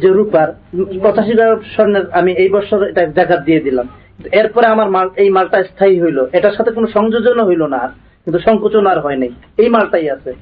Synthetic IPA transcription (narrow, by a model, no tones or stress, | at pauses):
d͡ʑeɾupaɾpɔt͡ɕaʃ̬ikaʃɔɾneɾamiejbɔɾʃoɾeʈad̪aɡad̪ijed̪ilamkint̪ueɾpɔɾeamaɾmalejmalʈaest̪ʰaiɦojloʔeʈaɾʃat̪ʰek̬onoʃɔŋd͡ʑod͡ʑonoɦojlonaɾ | kint̪uʃɔŋkot͡ɕonaɾɦɔenej | ejmalʈajat͡ɕʰe